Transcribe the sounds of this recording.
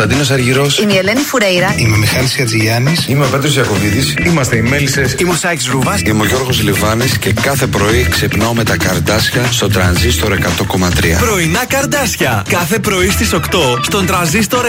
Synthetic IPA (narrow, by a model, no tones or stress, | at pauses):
ɐd̪inos̬ɐɾʝiɾo̞simielenifuɾejɾɐimemixɐlisçɐt͡siʝɐnisimeope̞t̪ɾozjɐko̞vit̪isimɐst̪eimelisesimusɐksɾuvɐsimoʝo̞ɾɣozlivɐnisce̞kɐθe̞pɾo̞iksepnaome̞t̪ɐkɐɾd̪ɐsçɐst̪o̞t̪ɾɐnzist̪o̞ɾe̞kɐt̪o̞ko̞mɐt̪ɾiɐ̰pɾo̞inɐkɐɾd̪ɐsçɐkɐθe̞pɾo̞ist̪iso̞kt̪o̞st̪o̞nt̪ɾɐnzist̪o̞ɾ